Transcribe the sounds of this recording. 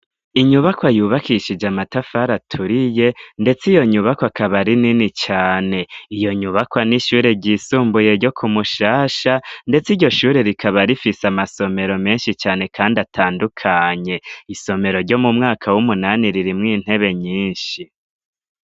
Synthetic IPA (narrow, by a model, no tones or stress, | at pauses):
iɲuβakwajuːβakʰiʃid͡ʒamatafaɾatʰuɾije̞nde̞t͡sijo̞ɲuβakwakaβaɾininit͡ʃaːne̞ijo̞ɲuβakwaniʃuːɾe̞ɟiːsuːmbuje̞ɾɟo̞kʰumuʃaːʃande̞t͡siɾɟo̞ʃuːɾe̞ɾikʰaβaɾifisamaso̞me̞ɾo̞me̞ːnʃit͡ʃaːne̞kaːndatʰaːndukʰaɲe̞iso̞me̞ɾo̞ɾɟo̞mumŋaːkʰawumunaniɾiɾimŋiːn̥he̞βe̞ɲiːnʃi